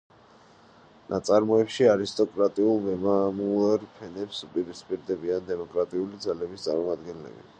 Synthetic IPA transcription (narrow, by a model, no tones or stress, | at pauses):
nʔat̪sʼaɾmɔɛpʃiaɾist̪ʼɔkʼɾat̪ʼiulˠmɛmamulaɾpʰɛnɛpsupʼiɾispʼiɾd̪ɛbiand̪ɛmɔkʼɾat̪ʼiulid̪zalɛbist̪sʼa̰ɾmɔmad̪ɡɛnlɛ̰bḭ